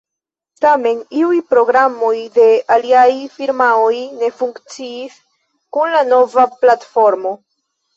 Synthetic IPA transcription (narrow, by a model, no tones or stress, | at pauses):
tame̞niujpɾo̞ɡɾamo̞jde̞aliajfiɾmaojne̞fuŋkt͡siːs | kunlano̞vaplatfo̞ɾmo̞